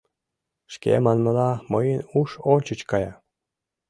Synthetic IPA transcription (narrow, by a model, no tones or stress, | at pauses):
ʃkḛmɑnmɤlɑmɤjənuʃonʲt͡ɕət͡ɕkɑjɑ